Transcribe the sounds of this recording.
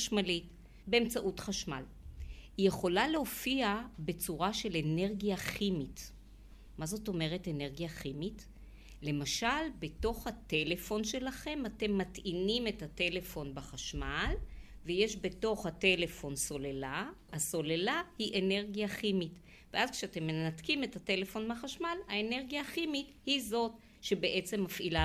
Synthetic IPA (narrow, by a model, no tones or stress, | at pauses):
aʃmalit | beemt͡saʔutχaʃma̰l | hije̞χo̞laleofiabe̞t͡suʁaʃe̞lene̞ʁɡijaχimit | mazo̞to̞me̞ʁe̞tene̞ʁɡijaχimit | le̞maʃalbeto̞χhate̞le̞fo̞nʃe̞laχe̞mate̞mːatinime̞tate̞le̞fo̞nbaχaʃmal | veje̞ʃbe̞to̞χhate̞le̞fo̞nso̞lelaaso̞lelahiʔe̞ne̞ʁɡjaχimit | veʔazkʃeate̞mːenatkime̞tate̞le̞fo̞nbaχaʃmalaene̞ʁɡjaχimithizo̞t | ʃe̞beʔe̞t͡se̞mːafʔila